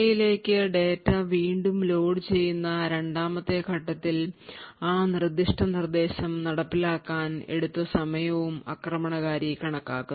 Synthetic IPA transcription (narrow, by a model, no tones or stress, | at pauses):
ɐjile̞ːkːɨɖe̞ːtːɐʋiːɳɖumlo̞ːɽt͡ɕe̞jːunːɐɾe̞ɳɖaːmɐt̪ːe̞kʰɐʈːɐt̪ːilaːnird̪ːiʂʈʰɐnird̪e̞ːɕɐmnɐɽɐpːilaːkːaːne̞̰ɽut̪ːɐsɐmɐjɐʋumɐ̰krɐmɐɳɐɣaːɾikɐɳɐkːa̰ːkːu